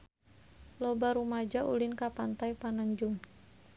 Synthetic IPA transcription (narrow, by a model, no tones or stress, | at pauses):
lɔbaɾumad͡ʒaʔṵlinkapant̪ajpanaɲd͡ʒuŋ